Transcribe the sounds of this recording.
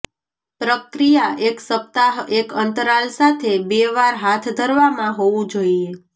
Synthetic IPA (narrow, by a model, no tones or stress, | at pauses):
pɾəkɾijaʔeksəp̚t̪aɦekənt̪əɾalsat̪ʰebeʋaɾɦat̪ʰd̪ʱəɾʋamãɦoʋũd͡ʒoie